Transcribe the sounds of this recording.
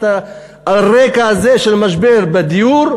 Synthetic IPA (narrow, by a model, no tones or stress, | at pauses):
a | aaʁekaazeʃelmaʃbeʁbed̪ijuɾ